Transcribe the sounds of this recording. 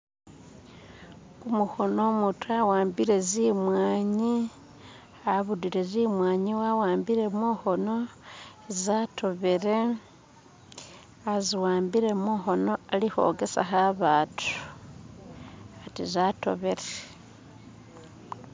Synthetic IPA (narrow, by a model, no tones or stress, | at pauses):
kumuxo̞no̞mutuawaːmbiɾe̞zimwaːɲi | aβudiɾe̞zimwaːɲiwawaːmbiɾe̞muːxo̞no̞ezato̞βeɾe̞ | aziwaːmbiɾe̞muxo̞no̞alixo̞̰ɡe̞sa̰xaβaːtʰu̥ | atizato̞̰βe̞ɾe